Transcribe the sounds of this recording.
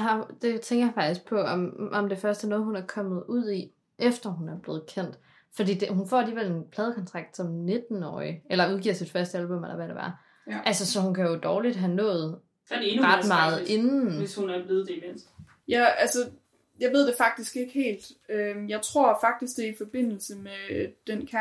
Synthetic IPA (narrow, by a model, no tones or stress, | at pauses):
ɦɑd̥e̝t͡sʰeŋɡ̥ɐjɑfɑ̈ɡ̥isɡ̥̚pʰɒ̽ɒ̽mʔɒ̽md̥efɶɐsd̥æɐnɔ̽ːð̩ˠɦunæɐkʰɒ̽mð̩ˠuð̰ˠi | ʔefd̥ɐhɦunæɐb̥le̝ːð̩ˠkʰen̰d̥ | fɒd̥ḭːd̥ehunfɒ̰ːæliːʋel̰e̝npʰlɛːð̞ˠkʰɒ̽nt͡sʰʁɑ̈ɡ̥̚d̥sɒ̽mne̝d̥n̩ɒ̰ɪelɐuð̞ˠɡiɐ̰sid̥fɶɐsd̥əælb̥ɔ̽melɐʋæɾ̥eʋæɐ | ʔælsəsɒ̽hunkʰæjo̝d̥ɒːlid̥ɦænɔ̰̽ːð̩ˠ | ʁɑ̈d̥mɑ̈ːð̩ˠʔe̝n̩eshunæb̥le̝ð̩ˠd̥eimen̰sd̥ | jæælsə | jɑ̈ɪʋeð̰ˠd̥e̝fɑ̈ɡ̥̚d̥isɡ̥e̝ɡ̥əhe̝̰ːld̥øjɑ̈ɪt͡sʰʁo̝ɐ̰fɑ̈ɡ̥̚d̥isɡ̥̚d̥eɐifɒ̽b̥e̝n̰l̩səmed̥enkʰæ